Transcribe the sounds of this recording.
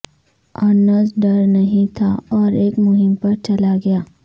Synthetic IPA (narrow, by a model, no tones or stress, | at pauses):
ɐnəsɖɐɾnɐɦĩt̪ʰaɔːɾeːkmʊɦɪ̃mpɐɾt͡ʃɐlaɡɐjaː